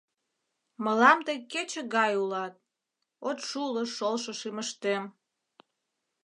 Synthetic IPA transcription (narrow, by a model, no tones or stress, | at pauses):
məlɑmt̪əjket͡ɕə̆ɣɑjulɑt̪̚ | ot̪ʃuləʃolʃoʃiməʃt̪em